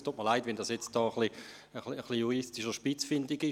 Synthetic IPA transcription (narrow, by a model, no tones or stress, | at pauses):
tʰuːtməlaɪtvʋɛndɑːsjɛt͡st̚d̥ɔːəχli | əχliəχlijuʁistiʃəʃpɪt͡sfɪndɪɡɪ